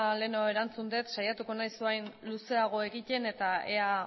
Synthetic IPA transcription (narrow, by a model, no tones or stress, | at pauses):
le̞noe̞ɾant͡sund̪e̞t̪ʃajat̪uko̞najsuenluse̞aɣ̞o̞e̞ɣice̞ne̞t̪ae̞̰a